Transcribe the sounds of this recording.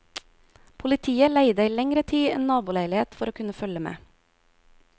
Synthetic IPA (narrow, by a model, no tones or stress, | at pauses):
pʰʊlɪt̪ʰiːəlæɪd̪əiːlɛŋɾət̪ʰiːḛːnnɑːbʊːlæɪlɪheːt̪fɔɾoːkʰʉnəfœləmḛː